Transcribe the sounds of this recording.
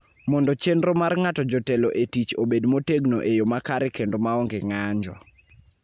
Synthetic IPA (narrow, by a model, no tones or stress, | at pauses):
mɔndɔt͡ʃenɾɔmarŋatɔd͡ʒɔteloʔetit͡ʃobedmoteɡnoʔejomakaɾɪkendomaɔŋɡeŋaɲd͡ʒɔ̰